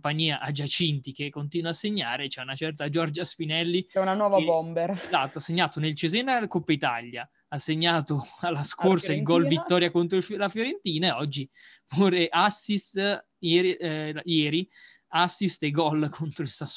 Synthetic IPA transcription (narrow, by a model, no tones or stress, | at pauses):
paɲːiːaʔad͡ʒat͡ʃint̪ik̟ekːont̪iːnwasːeɲːaːɾet͡ʃɛunat͡ʃɛrt̪ad͡ʒɔrd͡ʒaspinɛlːit͡ʃɛunanwɔːvabɔmbeɾzat̪ːoasːeɲːaːt̪onelt͡ʃezenakopːait̪a̰ʎːja | asːeɲːaːt̪oalːaskorsailɡɔlvit̪ːɔːɾjakont̪ɾoflafjoɾent̪iːnaɔd͡ʒːi | puːɾeʔasːist̪ | jɛːɾijɛːɾi | asːist̪eɡɔlkʰont̪ɾoilsas